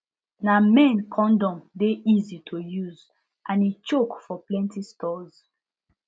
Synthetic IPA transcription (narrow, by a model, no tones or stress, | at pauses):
namɛ̃nkʰɔ̃ndɔ̃mdeʔizitʰojuz | ʔãnet͡ʃokfɔplɛ̃ntʰistʰɔz̥